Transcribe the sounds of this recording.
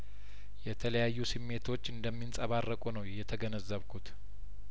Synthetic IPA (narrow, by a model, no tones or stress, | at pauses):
jɛt̪ʰələjajːusɨmːe̞t̪ʰo̞t͡ʃːɨnd̪əmːinsʼəβarːəkʼunəwjɛt̪ʰəɡənəzːəβkʰut̪